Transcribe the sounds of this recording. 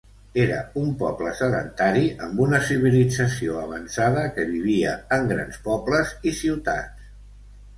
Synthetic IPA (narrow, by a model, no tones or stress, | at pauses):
eɾə̰umpɔpləsəðə̰nt̪aɾiʔəmbunəsiβ̞ilid͡zəsioəβ̞ənsaðəkəβiβ̞iəːŋɡɾa̰nspɔbləzisiwt̪a̰ts